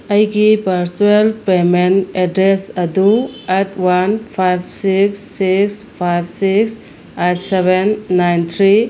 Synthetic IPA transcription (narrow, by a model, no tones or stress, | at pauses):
əjɡipɐɾsuelpementedɾesɐduetʰwanpʰajb̚siksːikspʰajb̚siks | etsebenːajnt̪ʰɾi